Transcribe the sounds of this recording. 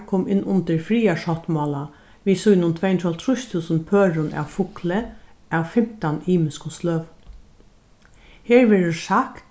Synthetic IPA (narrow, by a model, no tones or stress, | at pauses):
kʰɔːmɪnːʔʊnt̪ɪɹfɾiːaʂɔt̪mɔːla | ʋiːsujnʊnt̪ʰvɛːjnt̪ʰɾalt̪ʰɾʊʃt̪ʰuːsənpʰøːɹʊnæ̰wfʊklə | æwfɪm̥t̪aniːmɪskʊst̪lœːʋ̪ | heːɹʋɛːɹʊʂak